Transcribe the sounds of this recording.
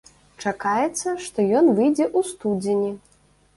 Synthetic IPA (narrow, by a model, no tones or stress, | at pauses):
t͡ʂakajɛt̪sːɐʂt̪ɔjɔnvɨjd͡zʲɛʔust̪ud͡zʲinʲi